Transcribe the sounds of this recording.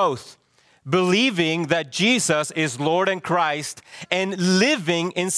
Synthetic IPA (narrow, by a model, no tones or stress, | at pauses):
oʊθ | bəlivɪ̃ŋðɨt̚d̥ʒ̥izəsɪzlɔɹɾɨ̃nkʰɹ̥aɪstɨ̃nlɪvɪ̃ŋɪ̃ns